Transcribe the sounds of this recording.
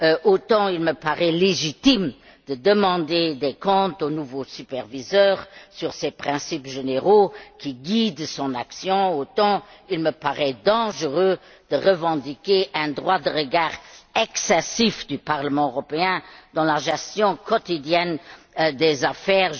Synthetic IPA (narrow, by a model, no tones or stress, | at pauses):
ʔot̪ɑ̃ilməpaʁɛleʒit̪im | d̪̥əd̪əmɑ̃d̪ed̪ekɔ̃t̪onuvosypɛʁvizœːʁsyʁsɛpχɛ̃sipʒeneʁokiɡid̪sɔ̃na̰ksjɔ̃ot̪ɑ̃ilməpaʁɛd̪ɑ̃ʒəʁø | d̪̥əʁəvɑ̃d̪ikeʔɛ̃d̪ʁwad̪əʁəɡaːʁɛksɛsifd̪ypaʁləmɑ̃øʁɔpeɛ̃d̪̥ɑ̃laʒɛst̪jɔ̃kɔt̪id̪jɛn | d̪ezafɛːʁ